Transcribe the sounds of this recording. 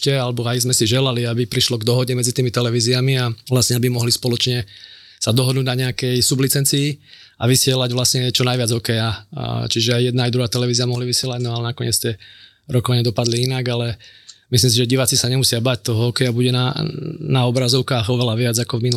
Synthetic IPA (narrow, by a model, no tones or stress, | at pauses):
cɛalɛbɔajzmɛsiʒɛlaliabipɾiʃlɔɡd̪ɔɦɔɟɛmɛd͡zit̪iːmit̪ɛlɛʋiːziamialasɲɛabimɔɦlispɔlɔt͡ʃɲɛ | sad̪ɔɦɔd̪nuɟ̪naɲɛakɛjsublit͡sɛnt͡siː | aʋisɪɛlaɟʋlasɲɛt͡ʃɔnajʋɪad͡zɦɔkɛjat͡ʃiʒɛajjɛd̪naːjd̪ɾuɦaːt̪ɛlɛʋiːziɪamɔɦliʋisɪɛlaɟnɔalɛnakɔɲɪɛt͡st̪ɪɛ | ɾɔkɔʋaɲɪɛd̪ɔpad̪liinaɡalɛmislims̬iʒɛɟiʋaːt͡sisaɲɛmusɪabac̚t̪ɔɦɔɦɔkɛjabuɟɛnanaɔbɾazɔʊkaːɣɔʋɛlaʋɪad͡zakɔvminu